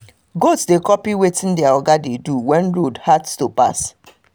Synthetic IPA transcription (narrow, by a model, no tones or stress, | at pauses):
ɡodsdekɔpiwetĩndɛaɔɡadeduwɛ̃nɹodhadstopa̰s